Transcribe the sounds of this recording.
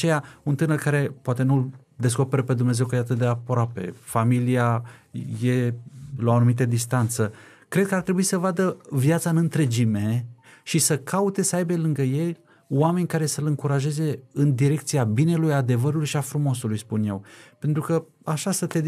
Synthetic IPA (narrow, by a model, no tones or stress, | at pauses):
t͡ʃe̞jaunt̪ɨnərkaɾe̞poat̪e̞nul | d̪e̞s̬ko̞pe̞ɾəpe̞d̪umne̞zewkəjejat̪ɨt̪̚d̪eapɾoape̞̰familiajelawanumit̪əd̪ist̪ant̪sə | kɾe̞d̪̚kəart̪ɾe̞buisəvad̪əvjat̪saɨnɨnt̪ɾe̞d͡ʒime̞ʃisəkʰaut̪e̞səajbe̞lɨŋɡəje̞l | wame̞nʲkaɾe̞səlɨŋkuɾaʒe̞ze̞ɨnd̪iɾe̞k̚t̪siabine̞lujad̪e̞vəɾulujʃiafɾumo̞sulujspunje̞wpe̞nt̪ɾukə | aʃasət̪e̞